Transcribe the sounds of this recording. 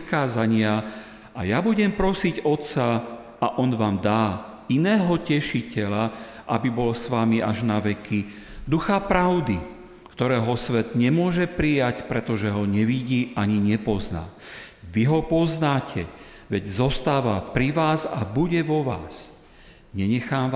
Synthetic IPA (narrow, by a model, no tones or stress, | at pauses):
kaːzaɲɪa | ajabuɟɛmpɾɔsiɟɔt̪t͡sa | aʔɔnʋaːmd̪aː | inɛːɦɔcɛʃicɛla | ʔabibɔlsʋamiʔaʒnaʋɛki | d̪uxapɾaʊd̪i | kt̪ɔɾɛːɦɔsʋɛd̪ɲɛmʊɔʒɛpɾijacpɾɛt̪ɔʒɛɦɔɲɛʋiɟiːʔaɲiɲɛpɔzna̰ː | ʋiɦɔpɔznaːcʰɛ | ʋɛɟzɔst̪aːʋapɾiʋaːza̰buɟɛʋɔʋa̰ːs | ɲɛɲɛxaːmʋa